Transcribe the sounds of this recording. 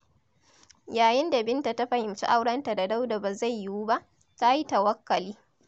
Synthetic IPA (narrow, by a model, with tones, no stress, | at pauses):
jaː˨jɪ˦nda˨bɪ˦nta˨ta˦ɸɐ˨hɪ˨mt͡ʃḭ˦ʔa˦wɽɐ˦nta˨da˨da˦wda˨ba˨za˦˨jːu˦wu˦ba˦ʔ | ta˦ji˦ta˨wɐ˦kːɐ˨liː˦